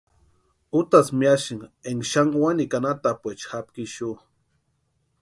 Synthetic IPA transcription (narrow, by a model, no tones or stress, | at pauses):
ut̪asmiaʃiŋeŋʃaŋwanikanat̪apʷet͡ʃxap̚kiʃu